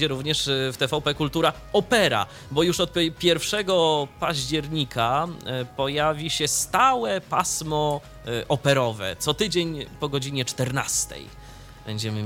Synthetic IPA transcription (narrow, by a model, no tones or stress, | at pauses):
d͡ʑɛɾuvɲɛʂft̪ɛfawpɛkult̪uɾa | ɔpɛɾa̰ | bɔjuʂɔt̪̚pʲjɛɾfʂɛɡɔpaʑd͡ʑɛɾɲikʰapɔjavʲiɕɛst̪awɛpasmɔ | ʔɔpɛɾɔvɛ̰t̪sɔt̪ɘd͡ʑeɲpɔɡɔd͡ʑiɲɛt͡ʂt̪ɛɾna̰st̪ɛ̰j | b̥ɛɲd͡ʑɛmɘ